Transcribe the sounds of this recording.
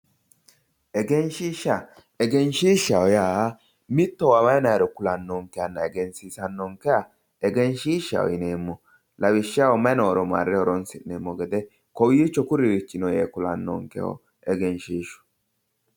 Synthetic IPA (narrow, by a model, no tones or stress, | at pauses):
ɛɡɛnʃiːʃːa | ɛɡɛnʃiːʃawɔjaː | mɪt̪ːɔwawɐjnɐjɾɔkʊlɐnːɔŋkɛjanːɐ̰ɛɡɛnsisɐnːɔŋkɛja | ɛɡɛnʃiːʃːɐ̰wɔ̰jɪneːmːɔ | lɐwɪʃːɪawɔmɐnoːɾɔma̰ɾːɛɔɾɔnsɪʔeːmːɔɡɛd̪ɛ | kɔwit͡ʃːɔkʊɾɪwɪt͡ʃːɪnɔjeːkʊlɐnːɔ̰ŋkɛ̰wɔ̰ | ɛɡɛnʃiːʃɔ̥